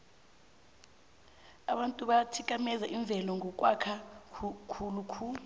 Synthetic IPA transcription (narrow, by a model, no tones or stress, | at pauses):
aɓantʼuɓatʰik̬ʼamɛzaʔiɱb̪vʱɛlɔŋʱɔk̬ʼwakʰa | kʰulukʰuːlu